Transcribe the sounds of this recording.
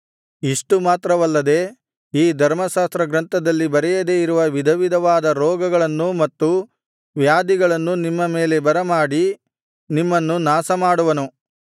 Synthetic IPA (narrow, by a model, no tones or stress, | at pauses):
iʂʈumaːt̪ɾɐʋɐlːɐd̪e̞ː | iːd̪ʱɐɾmɐʃaːst̪ɾɐɡɾɐnt̪ɐd̪ɐlːibɐɾɛjɐd̪eiɾuʋɐʋid̪ʱɐʋid̪ʱɐʋaːd̪ɐɾɔːɡɐɡɐɭɐnːumɐt̪ːu | ʋjaːd̪iɡɐɭɐnːunimːɐme̞ːle̞bɐɾɐmaːɽi | nimːɐnːunaːsɐmaːɽuʋɐnu